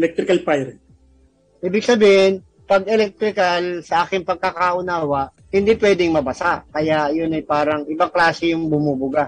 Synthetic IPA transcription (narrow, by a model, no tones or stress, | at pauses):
lɛk̚t̪ɾɪkɐlpajɾ | ʔiːbɪɡ̚sɐbiːhɪn | pɐɡ̚ɛlɛk̚t̪ɾɪkɐlsɐʔaːkɪŋpɐɡ̚kakaʔʊnaːwɐʔ | hɪnd̪ipwɛːd̪ɪŋmɐbɐsaʔkɐjajʊnɐjpaːɾɐŋʔɪbaklaːsɛjʊŋbʊmuːbʊɡa